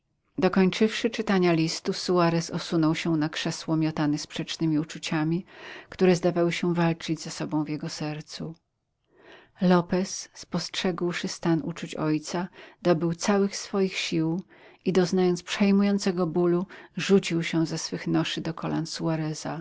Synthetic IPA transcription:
d̪ɔkɔɲt͡ʂɘfʂɘt͡ʂɘt̪aɲalʲist̪usuaɾɛsɔsunɔwɕɛnakʂɛswɔmʲjɔt̪anɛspʂɛt͡ʂnɘmʲiut͡ʂut͡ɕamʲikt̪uɾɛzd̪avawɘɕɛ̃valt͡ʂɘd͡ʑzasɔbɔ̃w̃vʲjɛɡɔsɛɾt̪su | lɔpɛsːpɔstʂɛɡwʂɘst̪anṵt͡ʂut͡ɕɔjt̪sad̪̥ɔbɘwt̪sawɘxsfɔjixɕiw | id̪ɔznajɔnt̪spʂɛjmujɔnt̪sɛɡɔbuluʐut͡ɕiwɕɛ̃zɛsfɘxnɔʂɘd̪ɔkʰɔla̰nsuaɾɛza

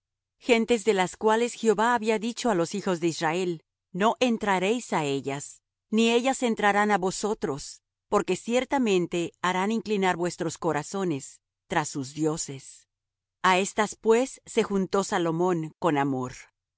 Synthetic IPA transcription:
xe̞nt̪e̞zðe̞laskwale̞sxeo̞βaːβiaðit͡ʃo̞alo̞sixo̞zðe̞israe̞l | no̞ʔe̞nt̪ɾaɾe̞jsae̞ʝas | nie̞ʝase̞nt̪ɾaɾanaβo̞sot̪ɾo̞s | po̞ɾke̞sje̞ɾt̪amẽ̞nt̪e̞aɾaniŋklinaɾβwe̞st̪ɾosko̞ɾaso̞ne̞s | t̪ɾasːuzðjo̞se̞s | ae̞st̪aspwe̞sːe̞xunt̪o̞salo̞mõ̞ŋko̞namo̞ɾ

